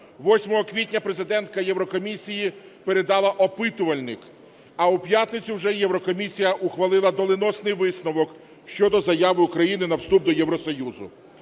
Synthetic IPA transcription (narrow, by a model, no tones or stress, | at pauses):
ʋɔsʲmɔɦɔkʋʲit̚ʲnʲɐpɾe̞zɪd̪ɛnt̪̚kɐjeʋɾɔkɔmʲisʲijipeɾe̞d̪ɑlˠɐʔɔpɪt̪ʊʋɐlʲnɪk | ɐupjat̪ʲnɪt͡sʲiwʒɛjewɾɔkɔmʲisʲijɐʔʊxʋɐlˠɪlˠɐd̪ɔlˠɪnɔsnɪjʋɪsnɔʋɔk | ʃt͡ʃɔd̪ɔzɐjaʋɪʊkɾɐjinɪnɐwst̪ub̚d̪ɔjɛʋɾɔsɔjuzʊ̰